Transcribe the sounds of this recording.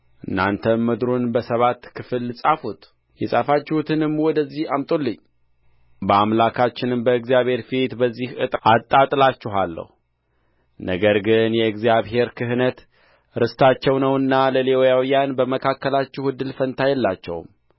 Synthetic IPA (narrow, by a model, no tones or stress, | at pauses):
ʔɨnːa̰nt̪ʰəməd̪ɾonbəsəβat̪ːkʰɨfɨlːɨsʼafut̪ | jɛsʼafat͡ʃːɛhut̪ʰɨnɨmːwɔd̪əzːihamt̪ʼolːɨɲː | bəamlakʰat͡ʃːɪnɨmbəɨɡzijaβhe̞ɾfit̪bəzːihɨt̪ʼʔat̪ʼːat̪ʼlat͡ʃːɪɦalːə̰hu | nəɡəɾɡɨnjɛɨɡzijaβɦe̞ɾkʰɨɦnət̪ | ɾɨst̪ʰat͡ʃːɛwnəwɨnːaləleojawijanbəməkʰakːəlat͡ʃːɛhɨd̪ːɨlfənt̪ʰajɛlːat͡ʃːɛ̰wm